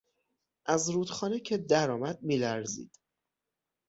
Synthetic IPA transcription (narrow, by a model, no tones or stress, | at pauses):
ʔæzɾuːd̪̥xɒːnecʰe̞d̪æɾɒːmæd̪̚miːlæɾzḭːd̪̥